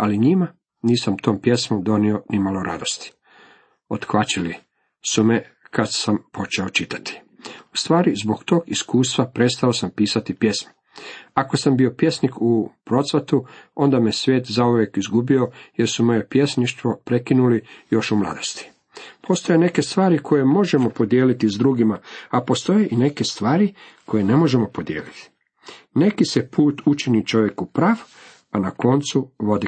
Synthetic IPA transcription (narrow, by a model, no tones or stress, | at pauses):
aliɲima | niːsamt̪o̞ːmpje̞smomd̪o̞nio̞nimaloɾa̰d̪o̞st̪i̥ | ot̪xʋat͡ʃili | sume | kad̪sampo̞t͡ʃeot͡ʃit̪ḁt̪i̥ | u̥st̪ʋaːɾizbo̞ɡt̪o̞ːɡiskuːst̪ʋapɾe̞t̪st̪aosampiːsat̪ipje̞smo̥ | ako̞sambio̞pje̞snikupɾo̞t̪sʋet̪uo̞nd̪amisʋʲje̞ːt̪zauʋjekizɡubio̞je̞ɾsumo̞je̞pje̞sniʃt̪ʋo̞pɾe̞kinulijo̞ʃumlˠa̰ːd̪ost̪i̥ | pʰo̞st̪o̞je̞ne̞ke̞st̪ʋaːɾikʰo̞je̞mo̞ʒe̞mo̞po̞d̪jeːlit̪izd̪ɾuːɡimaapo̞st̪o̞je̞ʔine̞ke̞st̪ʋaːɾikʰo̞je̞ne̞mo̞ʒe̞mo̞po̞d̪jḛːlit̪i̥ | ne̞kisepʰuːt̪ʰut͡ʃinit͡ʃo̞ʋje̞kupɾaːf | anako̞nt̪suʋo̞d̪i